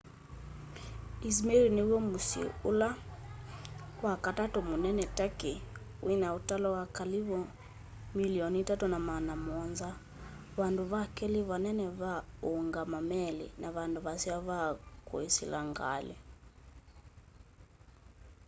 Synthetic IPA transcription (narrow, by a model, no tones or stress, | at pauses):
is̬mɛɾiniwɔmusḭula | wakatatumunɛnɛtake | winautalɔwakaliβɔ | miliɔnitatunamanamɔnza | βanduβakɛliβanɛnɛβaoŋɡamamɛlḭnaβanduβasiaβakw̰esḭlaŋɡa̰lɛ̰